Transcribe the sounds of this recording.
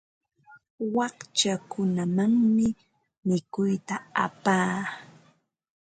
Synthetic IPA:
wɑht͡ʃakʊnamaŋmɪ | mɪkʊjt̪aa̰paː

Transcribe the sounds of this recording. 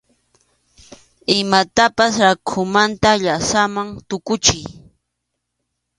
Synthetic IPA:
ɪmat̪apasɾakʰʊmant̪aʎasamaŋt̪ʊkʊt͡ʃɪj

